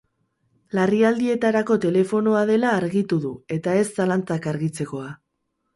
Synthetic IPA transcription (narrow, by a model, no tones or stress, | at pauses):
lariald̪ie̞t̪aɾako̞t̪e̞le̞fo̞no̞aðe̞laːɾɣit̪uðue̞t̪ae̞sːalant͡sakaɾɣit͡se̞ko̞a